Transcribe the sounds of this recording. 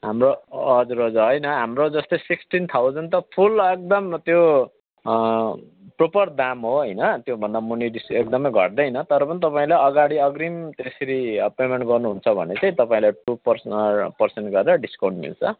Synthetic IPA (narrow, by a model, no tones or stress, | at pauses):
ɦamroʌd͡zuɾʌd͡zuɦʌjnʌɦamrod͡zʌst̪osiksʈint̪ʰawd͡zʌnt̪ʌpʰulek̚d̪ʌmt̪jo | propʌrd̪amɦoɦʌjnʌt̪jobʱʌnd̪amuniɖisekd̪ʌmʌjɡʱʌ̰ʈd̪ʌjnʌt̪ʌɾʌpʌnit̪ʌpaĩlajʌɡaɽiʌɡrimt̪eseɾipemeɳʈɡʌrnuɦunt͡sʰʌbʱʌ̰net͡sãĩt̪ʌpaĩlaʈupʌrspʌrseɳʈɡʌɾeɾʌɖiskaw̃ɳʈmḭlt͡sʰʌ